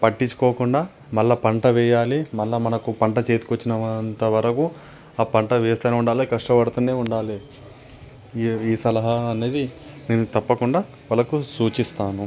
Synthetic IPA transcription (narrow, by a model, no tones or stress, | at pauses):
pɐʈːiɲt͡ʃːu̥koːkuɳɖaː | mɐlːɐpɐɳʈɐʋɛːjaːlimɐlːɐmɐnɐkupɐɳʈɐt͡ʃeːt̪ukʋɐt͡ʃːinɐʋɐnt̪ɐʋɐɾɐku | aːpɐɳʈɐʋɛːst̪aneːuɳɖaːlikɐʂʈɐpɐɽut̪une̞ːuɳɖaːli | iːsɐlɐɦɐɐne̞ːd̪i | ne̞ːnut̪ɐpːɐkuɳɖaː | ʋɐlːɐkusuːt͡ʃist̪aːnu